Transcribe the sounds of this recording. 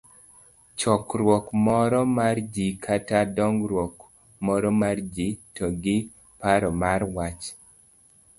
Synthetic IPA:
t͡ʃɔkɾwɔkmɔɾɔmard͡ʒikʰatadɔŋɡɾwɔk | mɔɾɔmard͡ʒitɔɡɪ | paɾɔmarwat͡ʃ

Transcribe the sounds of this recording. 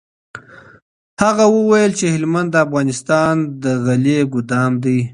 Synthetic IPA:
haɣawəwajəlt͡ʃehɪlmand̪ːəafɣɑnɪst̪ɑnd̪əɣaleɡʊd̪ɑmd̪ij

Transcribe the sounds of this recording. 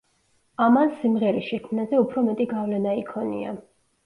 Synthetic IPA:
amansimʁɛɾiʃɛkʰmnazɛupʰɾɔmɛt̪ʼiɡavlɛnaikʰɔnḭa̰

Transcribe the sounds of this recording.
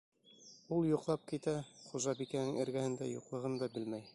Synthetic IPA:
ulˠjuqlˠɑp̚kit̪æχuʒɑbikænɘŋɘ̆ɾɡæhɘ̆nd̪æ̰jṵqlˠɤ̆ʁɤnd̪ɑbɘlmæj

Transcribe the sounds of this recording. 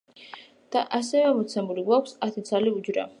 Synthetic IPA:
d̪̥aʔas̬ɛvɛmɔt̪sʰɛmuliɡwakʰʷsat̪ʰit̪sʰaliud͡ʒɾa̰

